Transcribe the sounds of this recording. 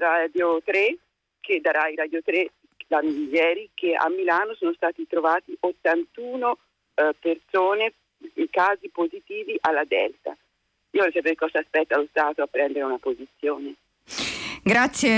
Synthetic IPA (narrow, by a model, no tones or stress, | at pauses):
rad̪jot̪ɾe | kʰed̪aɾaiɾaːd̪jot̪ɾe | lanuiʎːɛːɾikea̰mːilaːnosoːnost̪aːt̪it̪ɾovaːt̪iʔot̪ːant̪uːno | persoːne | iŋkaːzipozit̪iːviʔalːad̪ɛ̰lt̪a̰ | iːovɔɾɛjsapeɾeekːɔzaːspɛt̪ːalost̪aːt̪oapːɾɛnd̪eɾeunapozit̪sːjoːne | ɡɾat̪sːje